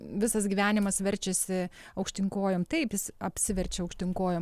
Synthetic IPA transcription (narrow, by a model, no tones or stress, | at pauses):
ʋʲɪsɐsɡʲiːʋʲæːnʲɪmɐsʋʲɛɾʲt͡ʃʲɛsʲɪ | ɐʊkʃʲt̪ʲɪŋkoːjoːmt̪ɐɪpjɪsɐpʲsʲɪʋʲɛɾʲt͡ʃʲɛɐʊkʃʲt̪ʲɪŋkoːjoːm